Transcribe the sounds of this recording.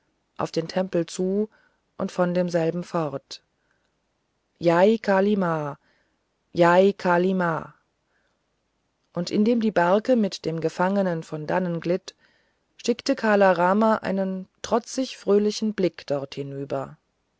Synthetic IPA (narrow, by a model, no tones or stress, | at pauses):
ʔa̰ʊfd̥eːntʰɛmpl̩t͡suː | ʔʊntfɔndeːmzɛlbm̩fɔʁt | jaɪkʰaːlima | jaɪkʰalima̰ː | ʔʊntʔɪndeːmdiːbaɐkəmɪtd̥eːmɡəfaŋənənfɔndanənɡlɪt | ʃɪktəkʰaːlaʁaːmaʔa̰ɪnəntʁ̥ɔt͡sɪçfʁ̥øːlɪçn̩blɪkd̥ɔʁthɪnyːbɐ